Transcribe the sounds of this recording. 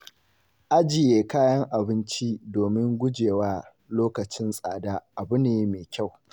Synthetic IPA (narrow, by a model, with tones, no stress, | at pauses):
ʔa˦d͡ʒɪ˨jeː˨kaː˦jɐ˦ŋʔa˨bɪ˦nt͡ʃi˦doː˨mɪ˦ŋɡʷʊ˦d͡ʒeː˨waː˦ | loː˦kɐ˨t͡ʃɪ˦nsʼa̰ː˨daː˦ʔa˨bʊ˦neː˦meː˨kʲa˦˨w